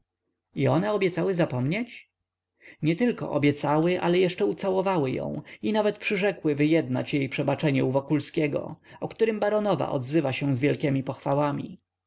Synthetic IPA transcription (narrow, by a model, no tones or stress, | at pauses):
iɔnɛɔbʲjɛt̪sawɘzapɔmɲet͡ɕ | ɲɛt̪ɘlkɔ̰ʔɔbʲjɛt̪sawɘʔa̰lɛjɛʂt͡ʂɛut̪sawɔvawɘjɔ̰̃w̃inavɛt̪pʂɘʐɛkwɘvɘjɛd̪na̰t͡ɕjejpʂɛbat͡ʂɛɲɛuvɔkulskʲɛɡɔ̰ɔkt̪uɾɘmbaɾɔnɔva̰ʔɔ̰d̪zɘvaɕɛw̃zvʲjɛlkʲɛmʲipɔxfawamʲḭ